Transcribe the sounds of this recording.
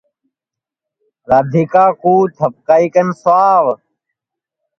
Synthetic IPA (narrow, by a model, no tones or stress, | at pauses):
ɾaːd̪ʱikaːkuːt̪ʰəp̚kaːiːkənsʊaːʋ